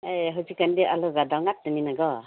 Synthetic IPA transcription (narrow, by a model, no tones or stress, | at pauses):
eɦɔzikandiʔalɔɡadawŋat̚ːɯninaɡɔ